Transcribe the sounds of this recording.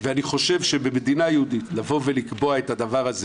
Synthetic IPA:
veaniχo̞ʃe̞vʃe̞bemedinajehud̪itlavo̞velikbo̞ae̞tad̪avaʁaze

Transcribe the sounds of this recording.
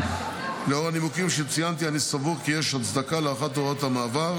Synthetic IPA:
leo̞ʁanimukimʃet͡sijant̪̬ianisavukijeʃat͡sd̪akaleaχat̪oʁot̪hamaːvaʁ

